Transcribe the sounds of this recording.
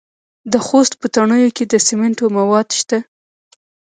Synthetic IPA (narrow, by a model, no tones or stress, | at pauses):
d̪əxost̪̚pət̪aɳəjoked̪əsemɪɳʈomawɑd̪ʃt̪a